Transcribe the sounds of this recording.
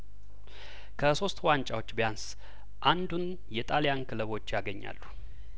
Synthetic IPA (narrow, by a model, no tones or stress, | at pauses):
kʰəso̞st̪want͡ʃʼawot͡ʃːbəjans | ʔand̪un | jɛt̪ʼaljankʰɨləβo̞t͡ʃːjaɡəɲːa̰lːu